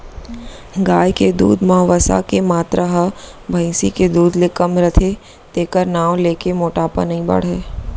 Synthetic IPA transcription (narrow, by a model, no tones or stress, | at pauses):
ɡaːjked̪ṵːd̪mɐʋəsa̰kemaːt̪ɾaɦɐ | bʱɐ̃ĩsiked̪uːd̪lɪkəmɾət̪ʰe | t̪eːkəɾnaːwleːkemoːʈaːpə̰nəɦĩbɐ̰ɽ̤ɦɛː